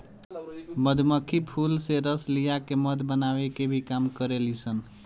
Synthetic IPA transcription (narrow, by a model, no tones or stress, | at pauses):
məd̪ʱməkʰipʰulseɾəslijakeməd̪ʱbənawekebʱikamkəɾelisən